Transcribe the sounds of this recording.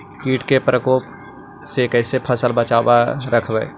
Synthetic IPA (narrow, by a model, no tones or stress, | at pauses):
kiːʈkepɾəkoːp | sekɛːsepʰəsəlbət͡ʃaːbaɾəkʰbɛ̰ː